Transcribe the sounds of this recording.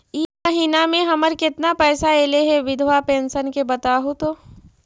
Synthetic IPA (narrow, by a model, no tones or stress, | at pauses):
iːmɐɦiːnamẽɦɐməɾkɪt̪napɛːsaeːleɦɛʋɪd̪ʱʋapẽːnʃənkebɐt̪aːɦut̪oː